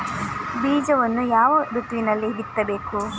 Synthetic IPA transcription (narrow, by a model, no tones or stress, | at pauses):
biːd͡ʒɐʋɐnːujaːʋɐɾut̪ʋinɐlːiɦit̪ːɐbe̞ːku